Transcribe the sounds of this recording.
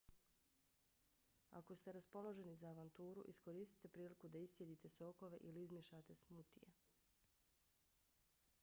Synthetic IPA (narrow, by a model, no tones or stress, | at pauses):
a̰ko̞st̪e̞ɾaspo̞lˠo̞ʒe̞nizaːʋant̪uːɾṵʔisko̞ɾiːst̪i̥t̪e̞pɾiːlikud̪aisːje̞d̪it̪e̞so̞ko̞ʋe̞ʔiliizmʲjeʃat̪e̞smut̪ḭje